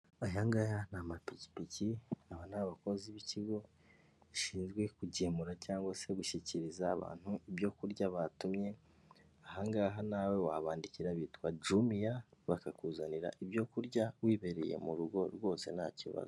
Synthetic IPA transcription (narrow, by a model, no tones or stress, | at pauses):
ajaŋɡajanamapici̥piciaβanaβako̞ziβiciɡo̞ | iʃiːnzɡwe̞kuɟemuɾacaːŋɡwase̞ɡuʃiciɾizaːβa̰ːn̥huibjo̞kuɾɟaβatumɲe̞ | aɦaŋɡaɦanawe̞waβaːndiciɾaβiːtwad͡ʒumijaβakakuːzaniɾa̰ʔibjo̞kuɾɟawiːβe̞ɾḛje̞̰muɾuɡo̞ɾɡo̞ːse̞̰na̰cḭβa̰zo